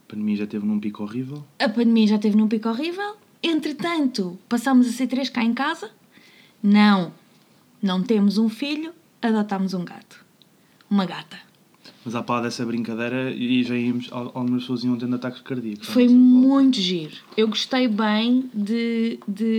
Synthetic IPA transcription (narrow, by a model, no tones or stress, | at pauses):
ɐpɐ̃nd̪miɐʒat̪evnũpikɔʁivɛlˠɐpɐ̃nd̪miɐʒat̪evnũp̬ikɔʁivɛlˠ | ẽnt̪ɾɨt̪ɐ̃nt̪upɐsamuzɐsit̪ɾeʃkaẽkazɐ | nɐ̃w̃ | nɐ̃w̃t̪emuzũfiʎu | ɐðɔt̪amuzũɡa̰t̪u̥ | umɐɣat̪ɐ | mɐzapaðɛsɐβɾĩŋkɐðɐjɾɐiʒaiɐmuʃa̰alˠɣumɐʃpsoɐziɐ̃t̪ẽd̪ɐt̪akʒ̥kɐɾðiɐkuʃfojmũj̃t̪uʒiɾ | ewɣuʃt̪ejβɐ̃j̃d̪ɨd̪ɨ